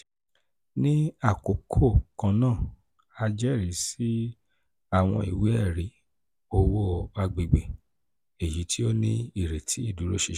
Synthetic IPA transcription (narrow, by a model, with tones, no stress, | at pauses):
nĩ˦a˦˨ko˨˦kʰo˦˨kã˧nãː˦˨ | a˧d͡ʒɛ˦˨ɾi˨˦si˦ | a˦˨w̃ɔ̃˧i˨we˦ɛ˦˨ɾi˨˦ | o˧wo˦˧ba˦ɡ͡be˧ɡ͡be˨ | e˨ji˨˦tʰi˦o˦nĩ˦i˦˨ɾe˨tʰi˨˦i˦˨du˨˦ɾo˦ʃe˧˨